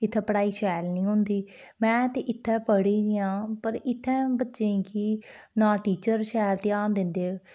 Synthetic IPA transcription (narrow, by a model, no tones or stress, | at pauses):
ɪt̪ʰːɛ̃ːpəɽaːiːʃɛːlnĩːɦʊ̃nd̪iː | mɛ̃ːt̪eːʔɪt̪ʰːɛ̃ːpəɽeːɡɪjãːpəɾɪt̪ʰːɛ̃ːbətːʃẽːki | nãːʈiːt͡ʃəɾʃɛːlt̪ɪjaːɾd̪ɪ̃nd̪eː